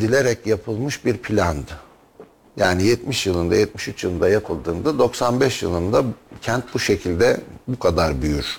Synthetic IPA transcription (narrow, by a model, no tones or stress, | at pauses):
d̪ilʲeɾɛcjapʰɯlˠmɯʃbiɾpʰilʲand̪ɯ | jaːnijɛt̪miʃjɯlˠɯnd̪ajɛt̪̚miʃyt͡ʃjɯlˠɯnd̪ajapʰɯlˠd̪ɯːnd̪ad̪o̞ksanbɛʃjɯ̰lˠɯnd̪acʰɛnt̪̚buʃe̞cʰilʲd̪ɛbukʰad̪aɾbyjy̰ɾ̥